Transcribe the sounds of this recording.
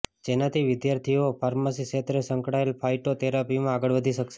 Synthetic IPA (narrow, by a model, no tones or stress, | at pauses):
d͡ʒenat̪ʰiʋɪd̪jaɾt̪ʰiopʰaɾməsiʃet̪ɾesəŋkɽaelpʰaiʈot̪eɾapimãaɡəɭʋəd̪ʱiʃəkʃe